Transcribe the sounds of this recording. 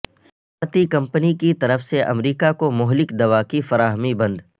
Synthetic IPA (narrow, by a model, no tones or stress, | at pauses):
bʱaːɾt̪ikɐ̃mpənikit̪ɐɾəfseʔɐ̰mɾiːkakomʊɦlɪkd̪ɐʋakifɐɾaːɦmibɐ̃nd̪